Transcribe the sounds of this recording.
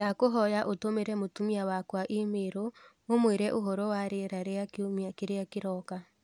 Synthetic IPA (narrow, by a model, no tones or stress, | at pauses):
akoɦɔjaʔotomeɾɛmotumiawakwaʔemeɾo | omweɾɛʔoɦɔɾɔwaɾeɾaɾeakomakeɾeakeɾɔka